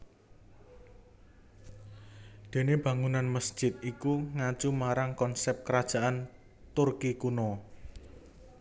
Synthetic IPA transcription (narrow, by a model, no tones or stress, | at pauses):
d̪̥e̤neb̥ä̤ŋunanməsʒ̥ɪt̪̚ikuŋat͡ʃumaɾaŋkɔnsɛp̚kəɾad̥ʒ̥a̤ʔan | t̪ʊrkikuno